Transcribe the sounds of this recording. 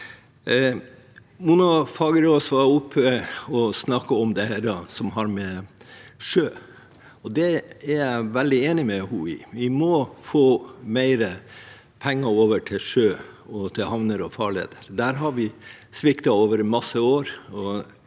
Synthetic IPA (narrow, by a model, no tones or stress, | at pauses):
munɑfɑːɡəɾoːsʋɑʊpʰːəɔsnɑkːəɔmd̪ɛæɾɑsɔmɦɑɾmɛ | ʂøː | ɔd̪ɛæɾjæɪʋɛld̪ɪeːnɪmɛhuːɪ̰ʋɪmɔfoːmæɪɾə | pʰɛŋːɑoːʋəʈʰɪlʂøːɔt̪ʰɪlhɑʋnəɾɔfɑːɭḛːd̪əɾd̪æːɾɦɑɾʋɪsʋɪkt̪ɑoːʋəɾmɑsːəoːɾɔ